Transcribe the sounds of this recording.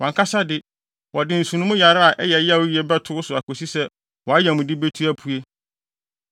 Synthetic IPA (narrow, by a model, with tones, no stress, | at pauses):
wɔ̃˨ŋkʰa˦sa˦dɪ˦ | wɔ˨dɪ˦n̩˨su˨nʊ̃˦mʊ̃˦ja˨ɾa˦a˨ʔɛ˦jɛ˨˦ja˦˨wʊ˦ji˦ɛ˦bɛ˦tʰʊ˦ʊ˦sʊ˨a˨kʰo˨si˦sɛ˦ | wɔ˨a˦jɛ˨mʊ̃˨dɪ˦be˦tʰu˦æ˦pʰu˦e˦